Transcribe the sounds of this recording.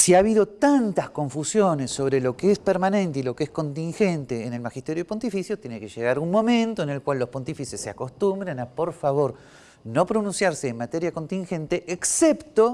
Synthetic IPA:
siaβiðo̞t̪ant̪asko̞ɱfusjo̞nesːo̞βɾelo̞keespeɾmanẽ̞nt̪eilo̞keesko̞nt̪iŋxent̪eːne̞lmaxist̪eɾjoepont̪ifisjot̪jenekeʒeɣaɾunmõ̞mẽnt̪oene̞lkwalːo̞spo̞nt̪ifisesːeako̞st̪umbɾenapo̞ɾfaβo̞ɾ | no̞pɾonũnsjaɾseːnmat̪eɾjakont̪ĩŋxe̞nt̪e̞ʔːksept̪o̞

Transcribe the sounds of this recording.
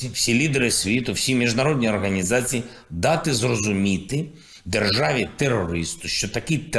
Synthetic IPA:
wsʲilʲid̪ɛɾɪsʲʋʲit̪ʊwsʲimʲiʒd̪nɐɾɔd̪ʲnʲiɔrɦɐnʲizɑt͡sʲiji | d̪ɑt̪ɪzrɔzʊmʲit̪ɪ | d̪erʒɑʋʲit̪erːɔɾɪst̪ʊʃt͡ʃɔt̪ɐkʲit̪

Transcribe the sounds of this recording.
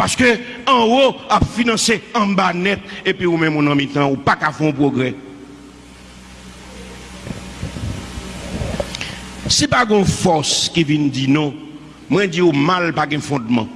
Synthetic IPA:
paskøãoapfinãseãbanɛt̪̚epiumɛ̃mũnãmĩt̪ãupakafɛ̃õp̬ʁoɡʁɛ | sipaɡɛ̃õfɔskivindinɔ̃ | mw̃ɛ̃d͡ziumalpaɡɛ̃fɔ̃dmã̰

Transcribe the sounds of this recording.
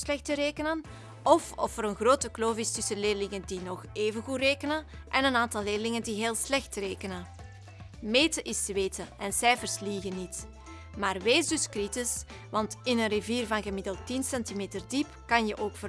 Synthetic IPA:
slɛxtəɾeːkənən | ɔfɔ̰fəɾənɣroːtəkloːvɪstɪsəleːrlɪŋəndinɔxeːvənɣutreːkənən | ʔɛnənaːntɑlˠleːrlɪŋəndiɦeːlˠslɛxtreːkənən | meːtəʔɪsʋeːtəʔɛnsɛjfərsliɣənːit | maːrʋeːzdʏskritɪs | ʋɑntɪnənriviːrvɑnɣəmɪdəlˠtinsɛntimeːtərdipkɑnjəʔoːkfə

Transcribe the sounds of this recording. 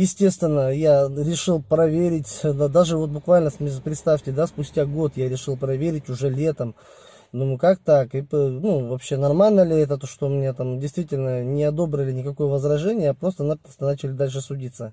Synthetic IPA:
jɪsʲtʲe̞st̪vʲɪnːəjaɾʲɪʂɨlˠpɾɐvʲeɾʲɪt̪ʲd̪aʐɨvo̞t̪̚bʊkvalʲnəsmʲpɾʲɪt̪st̪afʲtʲɪd̪aspʊsʲtʲaɡo̞t̪jaɾʲɪʂɨlˠpɾɐvʲeɾʲɪtʲʊʐɛlʲe̞t̪əm | d̪umjkak̚t̪akɨpnuvɐpɕːe̞nɐrmalʲnəlʲɪɛt̪ət̪oʂt̪omʲɪnʲat̪amdʲɪjst̪vʲitʲɪlʲnənʲɪɐd̪o̞bɾəlʲɪnʲɪkɐko̞jəvəzɾɐʐɛnʲɪjəpɾo̞st̪ənapəst̪ənat͡ɕɪlʲɪd̪alʲʂ̬ɨsʊdʲit̪sːə

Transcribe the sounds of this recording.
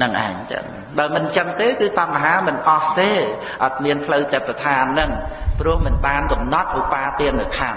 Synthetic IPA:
nɨŋʔa̰ɛɲt͡ɕ̪ɨ̰ŋ | ɓaəmɨnt͡ɕəŋt̪eːkɨːt̪ɑŋmaɦaːmɨnʔɑht̪eː | ʔɑt̪̚miənpʰləwt̪ɛpːat̪ʰaːnːɨŋprʊ̆əhmɨnɓaːnkɑmnɑt̪̚ʔupaːt̪iənnɨwkʰan

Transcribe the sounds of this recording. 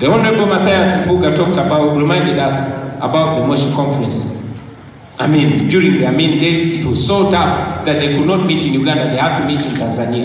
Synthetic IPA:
ðiɔ̃ndɹəbomaθajaspuɡətʰɔk̚təbaʊtɹimãɪ̃ndɛdasʔəbaʊt̪̚ðəmoʃkʰɔ̃ɱfɹɛ̃ns | aɪmĩndjuɹĩŋðiamĩndeɪzit̚wɔz̥sotafðɨt̪̚ðeɪkudⁿnɔt̚mitɪ̃njuɡãndaðeɪhav̚tumitɨ̃ntʰãnzaniə

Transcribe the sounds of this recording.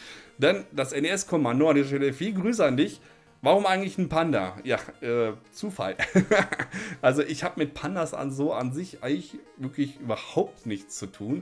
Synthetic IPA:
d̥and̥asʔɛneɛskʰɔmandoandiːzɐʃtɛləfiːlɡʁyːs̬əandɪç | vaʁʊmʔaɪɡŋ̩tlɪçn̩pʰandɐ̰jaːʔɛːt͡suːfa̰l | ʔalzoʔɪçhaːbəmɪt̚pʰandɐsʔa̰nzoːʔa̰nzɪçʔa̰ɪɡŋ̩lɪç | vɪɐklɪçʔyːbɐhaʊp̚tnɪçt͡st͡sutʰuːn

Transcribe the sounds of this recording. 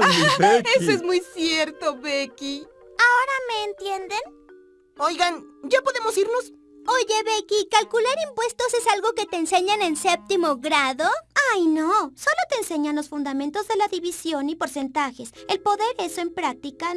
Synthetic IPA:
esoezmujsjeɾt̪oβeki | aoɾame̞ːnt̪je̞nd̪en | ojɣanɟ͡ʝapo̞ðe̞mosiɾno̞s | oʝe̞βekikalkulaɾimpwe̞st̪osesalɣo̞ke̞t̪eːnse̞ɲenensep̚t̪imo̞ɣɾaðoajnoso̞lo̞t̪e̞ːnse̞ɲanlo̞sfund̪ament̪o̞zðe̞laðiβisjo̞nipo̞ɾse̞nt̪axe̞selpo̞ðe̞ɾesoe̞mpɾak̚t̪ika

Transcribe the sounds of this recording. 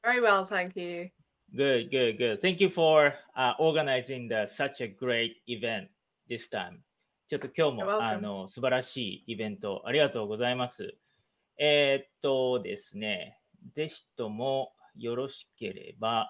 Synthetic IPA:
vɛɹiwɛlˠt̪æ̃ŋkjʉ | ɡɯdɡɯd̪ɡʊd̪θɛ̃ŋk̬ʲjɨfoɹaʔoɾɡanaizĩŋd̪ɨsɐt͡ʃɨɡɾeɪt̪̚ivẽnt̪̚ | d̪ist̪ã̰ɪ̃m | t͡ɕo̞t̪ːo̞kʲo̞ːmoano̞sɨbaɾaɕiːibẽ̞nt̪o̞ʔa̰ɾʲiɡat̪o̞ːɡo̞zaimasɨ̰ | eːt̪ːo̞d̪e̞̰sɨne̞ | ze̞çi̥t̪o̞mo̞ | jo̞ɾo̞ɕi̥ke̞ɾe̞̰ba

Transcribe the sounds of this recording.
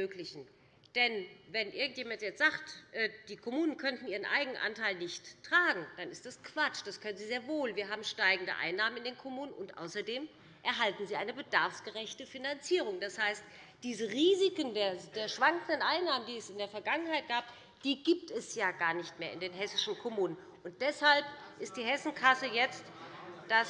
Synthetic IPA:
øːklɪçn̩ | d̥ɛnvɛnʔɪɐɡŋ̩tjeːmantjɛt͡sz̥aːktʔɛːd̥iːkʰomuːnənkʰœntn̩ʔiːʁənʔa̰ɪɡŋnənʔa̰ntʰaɪlnɪçtːʁ̥aːɡŋ̩d̥anɪstd̥askv̥at͡ʃd̥askʰœnənziːzeːɐvoːlviːɐɦaːbm̩ʃtaɪɡŋ̩də̰ʔa̰ɪnːaːmənɪndeːnkʰɔmuːnənʊntʔa̰ʊsɐdeːm | ʔɛɐɦaltn̩ziːʔaɪnəbədaɐfsɡ̥əʁɛçtəfinant͡siːʁ̞ʊŋd̥ashaɪst | d̥iːzəʁiːzɪkəndeːɐd̥eːɐʃv̥aŋkən̩dənʔaɪnːaːməndiːɛsɪndeːɐfɛɐɡaŋənhaɪt̚ɡ̥aːp | d̥iːɡiːp̚tɛsjaːɡaːɐnɪçtmeːɐɪndeːnɦɛsɪʃn̩kʰɔmuːnən | ʔʊnt̚d̥ɛshalp̚ʔɪst̚d̥iːɦɛsn̩kʰasəjɛt͡std̥a

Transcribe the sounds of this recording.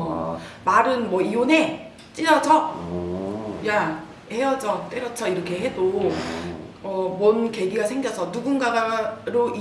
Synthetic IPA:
maɾɯnmwʌione̞ | t͡ɕ͈iɾʌd͡ʑʰʌ | ja | he̞jʌd͡ʑʌt͈eɾʌt͡ɕʰʌiɾʌkʰe̞ɦe̞do | ʌmwʌnke̞ɡiɡasʰe̞ŋɡjʌsʰʌnuɡunɡaɡaɾoʔi

